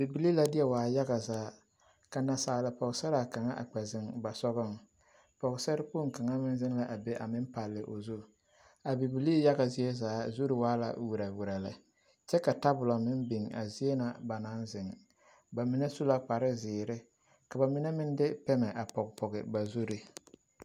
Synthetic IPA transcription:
bi˨bi˨li˦la˨dɪ˦ɛ˦waː˨ja˦ɣa˨zaː˨˦ | ka˨na˨saː˨la˨pɔ˨ɣɪ˨sɛ˦ɾa˨ka˨ŋa˦ʔa̰˨k͡pɛ˨zɪ˨ŋba˨sɔ˦ɣʊ˦˨ŋ | pɔ˨ɣɪ˨sɛ˦ɾɪ˦pu˦˨ŋ˨ka˨ŋa˦mɪ˦n˦zɪ˦ŋla˦ʔa˨be˦ʔa˨mɪ˦npa˨lːɪ˨ʔo̰˨zu˦ | a˨bi˨bi˨li˦ja˦ɣa˨zɪ˦e˦zaː˨˦zu˦ɾɪ˨waː˦la̰˨wu˨ɾa˨wu˨ɾa˨lɪ̰˨ | t͡ʃɛ˦ka˨ta˦bʊ˨la˨mɪ˦nbi˨ŋa̰˨zi˦e˦na˨ba˨na˨˦nzɪ˨ŋ | ba˨mɪ˦nɛ˦su˦la˦k͡pa˨ɾɪ˦zɪː˨ɾɪ˦ | ka˨ba˨mɪ˦nɛ˦mɪ˦n˦dɪ˦pɛ˦mɛ˨ʔa˨pɔ˨ɡpɔ˨ɣɪ˨ba˨zu˦ɾi˦

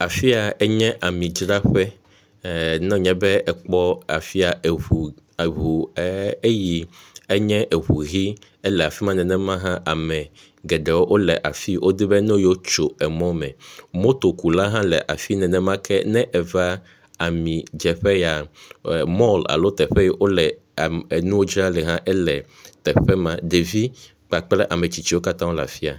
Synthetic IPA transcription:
a˨fi˦a˨ɛ˦ɲɛ̃˦ʔa˨mĩ˨d͡ʒɾa˦ɸɛ˦ | nɔ̃˦˨ɲɛ̃˦bɛ˦ɛ˨k͡pɔ˦a˨fi˦a˨u˨ | ɦu˨˦e˦ji˨ɛ˦ɲɛ̃˦ʔe˨βu˨ɣi˦ | ɛ˦lɛ˨a˨fi˦mã˦nɛ̃˨nɛ̃˦mã˦ɦã˦ʔa˨mɛ̃˨ | ɡɛ˨ɖɛ˨wo˦ʔo˦lɛ˨ʔa˨fi˦wʔo˦d̪e˦bɛ˦nõ˦jo˦t͡ʃo˨ɛ˨mɔ̃˦mɛ̰̃˨mõ˦t̪o˨ku˨la˦ɦã˦lɛ˨ʔa˨fi˦nɛ̃˨nɛ̃˦mã˦kʰɛ˦nɛ̃˦ʔɛ˨va˦ | a˨mĩ˨d͡ʒɛ˨ɸɛ˦ja˨ | mɔ˦la̰˨lo˦t̪ɛ˨ɸɛ˦jɛ˦wo˦lɛ˨ | e˨nũ˦wo˦d͡ʒɾa˦lɛ˨ɦã˦ʔɛ˦lɛ˨ | t̪ɛ˨ɸɛ˦mã˦d̪e˨vi˦ | k͡pa˨k͡plɛ˦ʔa˨mɛ̃˨t͡ɕi˨t͡ɕi˦wo˦ka˦t̪ã˦wo˦la̰˨fi˦a̰˨

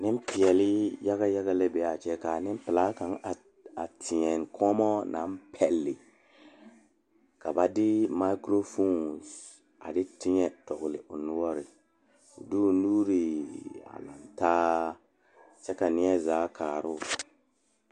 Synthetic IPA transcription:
nɪ˦m˦pi˨ɛ˨lɪ˦ja˦ɣa˦ja˦ɣa˦le˦bɛ˨a˨t͡ʃɛ˦ka˨nɪ˦m˦pɪ˨laː˨˦kã˨˦ŋa˨ | a˨tʰɪ˨ɲɛ˨nkʰɔ˦mɔ˦nʔa˨˦m˦pʰɛ˨lːɪ˨ | ka˨ba˨dɪ˦ma˦i˦kɾo˦fo˦˨ns | a̰˨dɪ˦tɪ˦ɲɛ˦tɔ˨ɣʊ˨lɪ˨ʔʊ˨nʊ˦wɔ˦ɾɪ̰˨ | du˦˨nuː˦ɾi˨a̰˨la̰˨ntaː˦ | sɛ˦ka˨nɪ˦ɛ˦zaː˨˦kʰaː˨ɾʊ˦˨

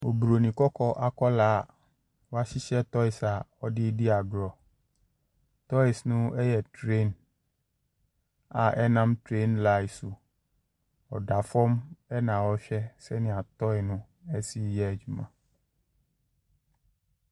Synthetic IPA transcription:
o˨bɾo˨nĩ˨kɔ˦kɔ˦ʔa˨kɔ˦la˦˨ | wo˦a˦si˦ʃɛ˦t̪ɔ˦i˨sa˨ɔ˦ɖi˦di˦a˨ɡlɔ˨ | t̪ɔ˦i˨snũ˦ɛ˦jɛ˨tɾe˦n | a˨ʔɛ̰˦nã˦mtɾe˦nla˦i˨su˨ | ɔ̰˨ɖa˨fɔ˦mɛ˦nã˨wɔ˦ʃɛ˦sɛ˦nĩ˨a˨t̪ɔ˦ɛ˨nũ˦ | ɛ˦si˦˨jɛ˦˨d͡ʒu˨mã̰˨

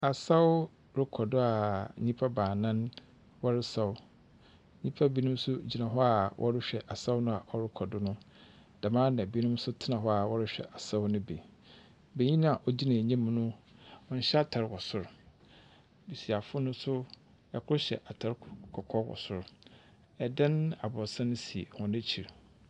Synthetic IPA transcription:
a˨sa˦wʊ˦ | ɾɪ˦kʰɔ˨dʊ˦a˨ɲĩ˦pʰa˦baː˨nã˦n | wɔ˦ɾɪ˦sa˦wʊ˦ | ɲĩ˦pʰa˦bi˦nʊ̃˦m˦sʊ˦d͡ʑi˨nã˨ɦɔ˦a˨wʔɔ̰˦ɾɪ˦ɕᶣɛ˨ʔa˨sa˦ʊ˦nʊ̃˦a˨ʔɔ˦ɾɪ˦kʰɔ˨dʊ˦nʊ̃˦ | d̥a˨mãː˦nã˨bi˦nʊ̃˦m˦sʊ˦tʰɪ˦nã˨ɦɔ˦a˨wɔ˦ɾɪ˦ɕᶣɛ̰˨ʔa˨sa˦ʊ˦nʊ̃˦be˨ | be˨ɲĩ˦ñ˦a˨ʔɔ˨d͡ʑi˦nã˨ɲã˦m˦nʊ̃˦ɔ̃˦n̩˦ɕɛ˦a˦˨tʰa˨ɾwɔ˨sʊ˨ɾ | bi˨si˨a˨fʊ˦nʊ̃˦sʊ˦ | ɛ˨kʰʊ˦ɕɛ̰˨ʔa˨tʰa˨ɾkʰɔ˨kʰɔ˦wɔ̰˨sʊ˨ɾ | ɛ˨dã˦na̰˨bɔ˨sã˦nʊ̃˦si˨ḛ˨hɔ̃˨næ̃˦t͡ɕʰi˨ɾ

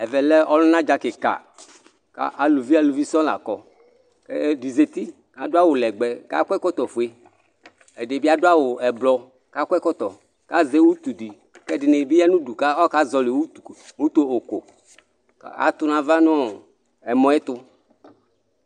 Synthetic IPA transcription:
ɛ˨vɛ˨lɛ˦ʔɔ˦lʊ̃˦nã˦d͡ʒa˨kɪ˨ka̰˨ | ka̰˦ʔa˨lu˨vi˦a˨lu˨vi˦sɔ̃˦la̰˨kɔ˨ | kɛ˦di˨ze˨t̪i˦ | ka˨dʊ˦a˦wʊ˨lɛ˨ɡ͡bɛ˨ka̰˦kʷɛ˦kɔ˦t̪ɔ˨fu˨e˦ | ɛ˨ɖɪ˨bi˦a˦dʊ˦a˦wʊ˨ɛ˨blɔ˨ | ka˦kʷɛ˦kɔ˦t̪ɔ˨ | ka˦ze˦wu˦t̪u˨di˨ | kɛ˦ɖɪ˨ne˨bi˦a˦nũ˦du˨ka˦ɔ˦ka˦zɔ˨le˨wu˦tu˨wu˦t̪o˦o˨ko˨ | ka˦a̰˨˦t̪ʊ˦nã˨va˦nɔ̃˦˨ | ɛ˨mɔ̃˨˦ɛ˦t̪ʊ˦

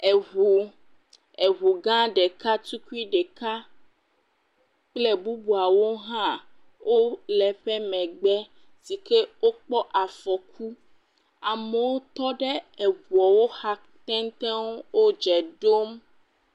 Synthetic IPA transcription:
e˨ɦu˨ | e˨ɦu˨ɡã˦ɖe˨ka˦t̪u˦ku˦i˦ɖe˨ka˦ | k͡ple˦bu˦bu˨a˨wo˦ɦã˦ | wʔo˦lɛ˨ɸɛ˦mɛ̃˨ɡ͡bɛ˦ | si˨ke˦wo˦k͡pɔ˦ʔa˨fɔ˨kʰu˦ | a˨mɛ˨wo˦t̪ɔ˦ɖe˦ɛ˨βu˨ɔ˨wo˦xa˦ | t̪ɛ̃˦ŋ˦t̪ɛ̃˦wwo˦d͡ʒɛ˨ɖo˦m

